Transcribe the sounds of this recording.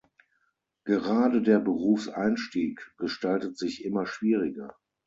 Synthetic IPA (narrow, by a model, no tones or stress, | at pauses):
ɡ̥əʁaːdədeːɐbəʁuːfsʔaɪnʃtiːkɡ̥əʃtaltətz̥ɪçʔɪmɐʃv̥iːʁɪɡɐ